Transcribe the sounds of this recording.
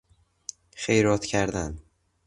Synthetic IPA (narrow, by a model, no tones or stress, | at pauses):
xejɾɒt̪cʰæɾd̪æn